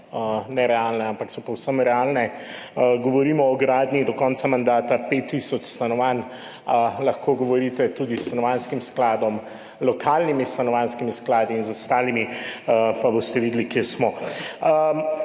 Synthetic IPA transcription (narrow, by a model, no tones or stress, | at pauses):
ənɛɾɛalnɛampaksɔpɔwsəmɾɛaːlnɛ | ɡɔʋɔɾiːmɔɔɡɾaːd̪nid̪ɔkɔnt̪samand̪aːt̪apet̪ːisɔt͡ʃst̪anɔʋan | lɐxkoɡɔʋɔɾit̪ɛt̪ud̪ist̪anɔʋanskimsklaːd̪ɔm | lɔkʰaːlnimist̪anɔʋanskimisklaːd̪iːnzɔst̪aːlimi | paboːst̪ɛʋiːd̪likjeːsmɔə